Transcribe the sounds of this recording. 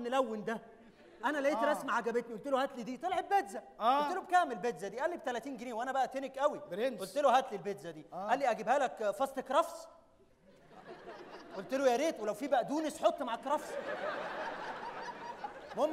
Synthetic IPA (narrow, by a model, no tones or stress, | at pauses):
nːelæwːend̪æ | ʔænælæʔeːt̪ɾæsmaʕaɡæbet̪niʔolt̪elohæt̪lid̪iːt̪elʕebːed̪zæ | æoot̪elobkæːmelbed̪zæd̪iːʔælːib̚t̪ælæt̪iːnɡeneːwʔænæbæʔæt̪enekʔæwiʔolt̪elohæt̪lilbed̪zæd̪iːʔælːiʔæɡibhæːlækfɑsˤt̪ekɾˤɑfs | ʔolt̪elojæɾeːt̪welæwfiːbæʔæd̪uːnesħot̪ˤːmaʕakɾˤɑfsˤ | mom